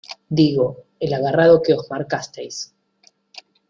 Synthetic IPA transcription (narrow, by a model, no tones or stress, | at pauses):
d̪iɣo̞ | elaɣaraðo̞keo̞zmaɾkast̪ejs